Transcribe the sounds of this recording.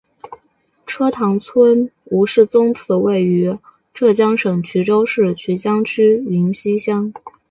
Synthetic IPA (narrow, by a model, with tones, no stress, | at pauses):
ʈ͡ʂʰɤ˥t̪ʰɑ˧˥ŋt͡sʰwə˥nu˧˥ʂɻ̩˥˩t͡sʊ˥ŋt͡sʰɹ̩˧˥we˥˩ɪy˧˥ | ʈ͡ʂɤ˥˩t͡ɕjɑ˥ŋʂɤ˨˩ŋt͡ɕʰy˧˥ʈ͡ʂo˥ʊʂɻ̩˥˩t͡ɕʰy˧˥t͡ɕjɑ˥ŋt͡ɕʰy˥i˧˥nɕi˥ɕjɑ˥ŋ